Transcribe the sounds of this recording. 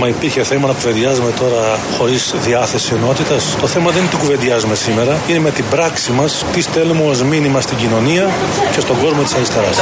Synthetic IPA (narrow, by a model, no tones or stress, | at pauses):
mɐipiɾçe̞θemɐnɐkuve̞nd̪iɐzume̞t̪o̞ɾɐxo̞ɾizðiɐθe̞sieno̞t̪it̪ɐst̪o̞θemɐðe̞nt̪iɡuve̞nd̪iɐzume̞sime̞ɾɐine̞me̞t̪ibɾɐksimɐst̪ist̪e̞lumuozminimɐst̪iɟino̞niɐ | ce̞st̪o̞ɡo̞zmot̪i̥sɐɾist̪e̞ɾɐs